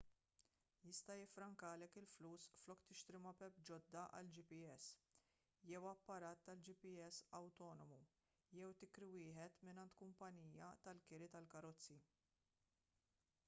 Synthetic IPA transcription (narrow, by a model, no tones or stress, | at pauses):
jɪst̪ɐjɪfɾɐŋkɐːlɛkɪlfluːsflɔkt̪ɪʃt̪ɾɪmɐpɛpd͡ʒɔd̪ːɐʔɐ̰ld͡ʒɪpiɛs | jɛwɐpːɐɾɐːt̪ːɐld͡ʒɪpɪɛsːɐwt̪ɔːnɔmu | jɛwt̪ɪkɾiwɪːħɛt̪mɪnɐnt̪kʊmpɐniːjɐt̪ɐlkɪɾɪt̪ɐlkɐɾɔt͡sːi